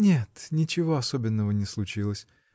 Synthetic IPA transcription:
nʲet̪nʲɪt͡ɕɪvoɐso̞bʲɪnːəvənʲɪslˠʊt͡ɕilˠəsʲ

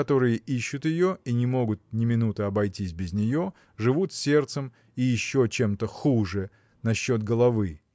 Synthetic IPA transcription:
ɐt̪o̞ɾɨjəʔiɕːʊt̪jɪjo̞inʲɪmo̞ɡʊt̪̚nʲɪmʲɪnut̪əɐbɐjtʲisʲbʲɪzʲnʲɪjo̞ | ʐɨvut̪sʲe̞rt̪səm | ijɪɕːot͡ɕe̞mt̪əxuʐɨ | nɐɕːo̞t̪̚ɡəlˠɐvɨ

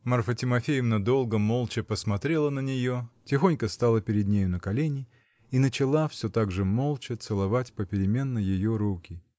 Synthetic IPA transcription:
mərfətʲɪmɐfʲejɪmnɐd̪o̞lˠɡəmo̞lˠt͡ɕɪpəsmɐt̪ɾʲe̞lˠənənʲɪjo̞tʲɪxo̞nʲkəst̪alˠəpʲɪɾʲɪd̪̚nʲejʊnəkɐlʲenʲɪ | inət͡ɕɪlˠafsʲɵt̪aɡʐɨmo̞lˠt͡ɕət̪sɨlˠɐvatʲpəpʲɪɾʲɪmʲe̞nːəjɪjo̞ɾukʲɪ

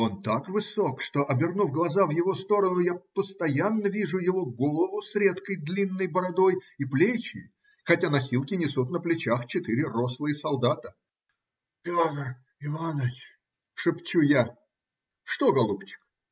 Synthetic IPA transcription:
o̞nt̪akvɨsokʂt̪o̞ʔɐbʲɪrnufɡlˠɐzavjɪvo̞st̪o̞ɾənʊjapəst̪ɐjanːəvʲiʐʊjɪvoɡo̞lˠəvʊsɾʲe̞t̪kəjd̪lʲinːəjbəɾɐd̪o̞jiplʲet͡ɕɪ̰j | xɐtʲanɐsʲilˠkʲɪnʲɪsut̪nəplʲɪt͡ɕaxt͡ɕɪt̪ɨɾʲɪro̞slˠɨjəsɐlˠd̪at̪ə | pʲot̪r | ɪvanət͡ɕ | ʂɨpt͡ɕuja | ʂt̪oɡɐlˠupt͡ɕɪ̥k

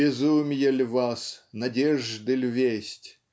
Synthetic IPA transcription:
ɪzumʲjɛlʲvasnɐdʲeʐd̪ɨlʲvʲesʲtʲ

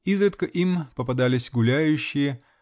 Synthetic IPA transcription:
izɾət̪kəʔimpəpɐd̪alʲɪsʲɡʊlʲæjʉɕːɪjə

